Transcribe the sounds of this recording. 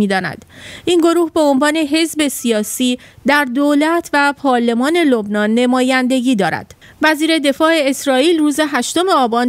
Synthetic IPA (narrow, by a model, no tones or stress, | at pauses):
iːd̪ɒːnæ̰d̪̥ʔinɡo̞ɾuːhbeonvɒːne̞ɦe̞zbe̞sijɒːsiːd̪æɾd̪olæt̪ʰvæpʰɒːɾle̞mɒːne̞lo̞bnɒːnːe̞mɒːjænd̪e̞ɟiːd̪ɒːɾæ̰d̪̥ | væziːɾe̞d̪e̞fɒːe̞esɾɒːiːlruːze̞ɦæʃt̪o̞me̞ɒːbɒːn